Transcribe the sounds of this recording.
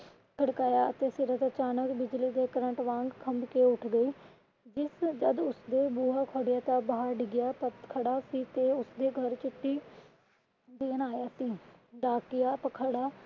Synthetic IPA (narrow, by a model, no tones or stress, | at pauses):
kəɽkaːjaːət̪eːsɪɾət̪ət͡ʃaːnəkbɪd͡ʒliːd̪eːkəɾə̃ɳʈʋãːŋɡkʰəmkeːʊʈʰɡəiː | d͡ʒɪsd͡ʒəd̪ʊsd̪eːbuːaːkʰəɽɪjaːt̪ãːbaːəɾɖɪɡɪjaːpət̪kʰəɽaːsiːt̪eːʊsd̪eːɡʱəɾt͡ʃɪʈːiː | d̪eːnaːjaːsiːɖaːkɪjaːpəkʰəɽaː